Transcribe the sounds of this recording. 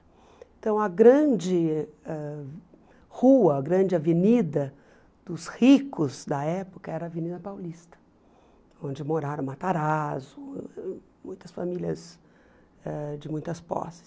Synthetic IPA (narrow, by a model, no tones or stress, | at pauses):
ẽt̪ɐ̃w̃ɐɡɾɐ̃d͡ʒɪɛ | huɐːɡɾɐ̃d͡ʒɪavenid̪ɐ | d̪̥ʊshikʊzd̪ɐɛpʊkɐɛɾɐvenid̪ɐpawlist̪ɐ̥ | õd͡ʒɪmoɾaɾɐ̃w̃mat̪aɾazʊ | mũj̃t̪ɐsfamilʲɐ̰z | ɛd͡ʒɪmũj̃t̪ɐspɔ̰sɪ̥s